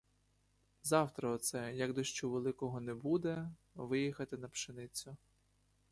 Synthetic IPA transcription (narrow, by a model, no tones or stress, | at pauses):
zɑwt̪ɾɐːt̪sɛjɐɡd̪ɔʃt͡ʃɔʋelˠɪkɔɦɔnɛbud̪ɛ | ʋɪjixɐt̪ɪnɐpʃenɪt͡sʲʊ